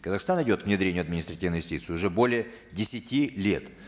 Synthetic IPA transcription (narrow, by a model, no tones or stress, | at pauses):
kəzɐxst̪anɨdʲo̞t̪̚kvnʲɪd̪ɾʲenʲjʊɐd̪mʲɪnʲɪst̪ɾɐtʲivnəjʊstʲit̪sɨɪʊʐɛbolʲɪjə | dʲɪsʲɪtʲilʲe̞̰t̪